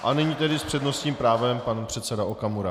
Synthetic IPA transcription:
ʔanɛɲiːt̪ɛdɪspr̥ɛdno̞st̪ɲiːmpɾaːvɛmpanpr̥ɛt̪sɛdaokamuɾa

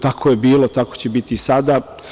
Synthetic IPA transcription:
t̪akʰoje̞biːlot̪ako̞t͡ɕebit̪isad̪a

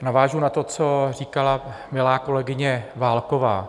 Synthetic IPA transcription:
navaːʒunat̪o̞t͡sor̝iːkalamɪlaːko̞lɛɡɪɲɛvaːlkovaː

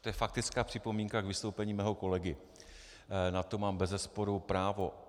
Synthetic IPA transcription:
t̪ojɛfak̚t̪ɪt͡skaːpr̝̥ɪpo̞miːŋkakvɪst̪owpɛɲiːmɛːɦo̞ko̞lɛɡɪ | nat̪o̞maːmbɛzɛspo̞ɾupɾaːvo̞

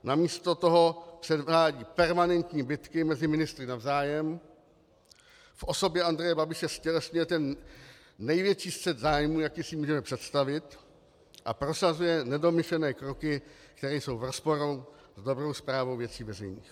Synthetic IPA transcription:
namiːst̪ot̪oɦo̞pr̥ɛdaːɟiːpɛɾmanɛnt̪ɲiːbɪt̪kɪmɛzɪmɪnɪst̪ɾɪnavzaːjɛm | fʔo̞so̞bjɛʔand̪ɾɛjɛbabɪʃɛscɛlɛsɲujɛt̪ɛnː | ɛjvjɛt͡ʃiːst̪sɛd̪zaːjmuːjakiːsɪmuːʒɛmɛpr̥ɛt̪st̪avɪt̪ | ʔapɾo̞sazujɛnɛdo̞mɪʃlɛnɛːkɾokɪkt̪ɛɾɛːjso̞wvɾospo̞ɾozdo̞bɾo̞wspɾaːvowvjɛt͡siːvɛzɛjɲḭːx

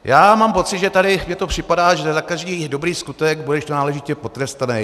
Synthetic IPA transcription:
jaːmaːmpo̞t̪t͡sɪd̪ʒɛt̪adɪmɲɛt̪o̞pr̝̥ɪpadaːʒɛzakaʒdiːdo̞bɾiːskut̪ɛɡbudɛʃt̪onaːlɛʒɪcɛpo̞t̪ɾɛst̪anɛj

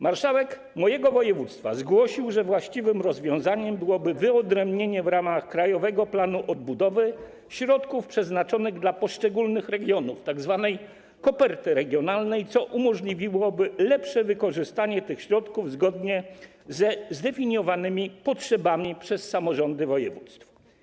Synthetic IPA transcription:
maɾʂawɛk | mɔjɛɡɔvɔjɛvut̪st̪fa̰zɡwɔɕiwʐɛvwaɕt͡ɕivɘmɾɔzvʲjɔ̃w̃zaɲɛmbɘwɔbɘvɘɔd̪ɾɛmbɲeɲɛvɾamaxkɾajɔvɛɡɔplanuʔɔd̪̚bud̪ɔvɘ | ɕɾɔt̪kufpʂɛznat͡ʂɔnɘɣd̪lapɔʂt͡ʂɛɡulnɘxɾɛɡʲjɔnuft̪aɡzvanɛj | kɔpɛɾt̪ɘɾɛɡʲjɔnalnɛjt̪sɔʔumɔʐlʲivʲiwɔbɘlɛpʂɛvɘkɔʐɘst̪aɲɛt̪ɘxɕɾɔt̪kuvzɡɔd̪ɲɛ | zɛzd̪ɛfʲiɲjɔvanɘmʲipɔtʂɛbamʲipʂɛsːamɔʐɔnd̪ɘvɔjɛ̰vut̪st̪f

